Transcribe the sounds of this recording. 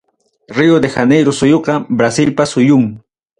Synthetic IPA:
ɾiʊd̪exanejɾʊsʊjoqɑbɾasɪlpasʊjʊŋ

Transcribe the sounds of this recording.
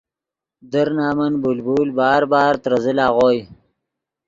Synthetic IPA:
d̪əɾnɑːmənbulbuːlbɑːɾbɑːɾt̪ɾɐzəlɑːʁoːj

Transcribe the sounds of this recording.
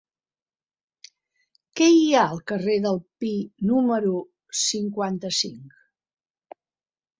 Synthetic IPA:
kɛiaəlˠkəreðəlˠpinuməɾu | siŋkwant̪əsiŋk

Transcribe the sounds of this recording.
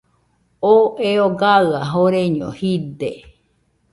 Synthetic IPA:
oeoɡaɯaɦoɾeɲõ̰hid̪e

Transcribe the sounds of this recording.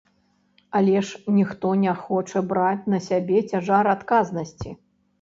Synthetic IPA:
alʲɛʂnʲixt̪ɔnʲɛxɔt͡ʂɐbɾat͡sʲnɐsʲabʲɛt͡sʲaʐaɾat̪kaznɐsʲt͡sʲi

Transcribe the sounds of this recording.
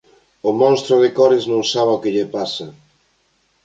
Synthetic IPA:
ʊmɔ̃nst̪ɾoðɪkɔɾɪznõŋsaβokɪʎepasa

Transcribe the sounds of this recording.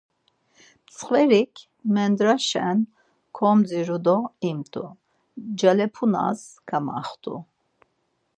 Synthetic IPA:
t͡sʰʼχvɛɾikʰ | mɛnd̪ɾaʃɛn | kʰɔmd͡ziɾud̪ɔimt̪ʰʼu | d͡ʒalɛpʰuna̰zkʰama̰χt̪ʰʼṵ

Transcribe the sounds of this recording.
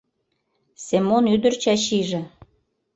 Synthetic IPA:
semonyd̪ə̆rt͡ɕɑɕiʒĕ

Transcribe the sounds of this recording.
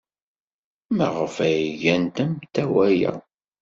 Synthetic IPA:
mæʁəfæjʝænt̪æmt̪ːæwæjæ̰

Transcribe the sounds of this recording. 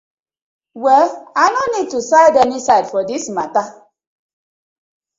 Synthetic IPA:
wɛlanɔnid̚tusaɪdɛnisaɪdfɔdismata

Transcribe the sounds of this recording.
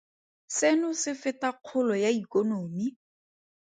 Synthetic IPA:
sɪnʊsɪfɪtaq͡χʰʊlɔjaikonoːmi

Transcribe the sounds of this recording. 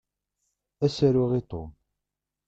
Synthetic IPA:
æsæɾʊʁit̪ˤo̰m

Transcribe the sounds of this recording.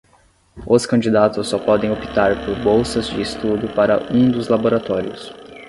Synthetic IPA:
oskɐ̃d͡ʒid̪at̪ʊsːɔpɔd̪ẽj̃opi̥t̪aɾpoɾbowsɐzd͡ʒɪːst̪ud̪ʊpaɾɐũd̪ʊzlaboɾat̪ɔɾiʊs

